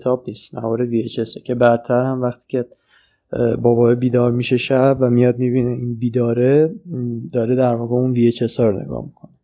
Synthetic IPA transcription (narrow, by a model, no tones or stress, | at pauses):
t̪ʰɒːb̚niːst̪næ̰vɒːɾeviet͡ʃʰesecʰe̞bæd̪t̪ʰæɾhæmvæχt̪ʰi̥ːcʰe | bɒːbɒːebiːd̪ɒːɾmiːʃe̞ʃæbvæmijɒd̪̚mibiːneinbiːd̪ɒːɾe | d̪ɒːɾed̪æɾvɒːɣeunviːet͡ʃʰesɒɾonḛɡɒ̰hmikʰone